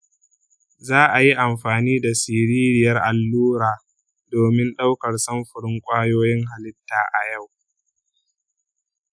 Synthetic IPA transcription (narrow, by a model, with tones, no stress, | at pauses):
zaː˦ʔa˨ji˦ʔa˨mɸaː˨niː˦da˨sɪ˨ɾiː˦ɾɪ˨jɐ˦rʔa˨lːuː˦ɾaː˨ | doː˨mɪ˦nɗa˦wkɐ˨rsɐ˦mɸʊ˨ɾɪ˦ŋkʷʼaː˦joː˦jɪ˦ŋɦa˨lɪ˦tːaː˨ʔa˨jɐ˦˨w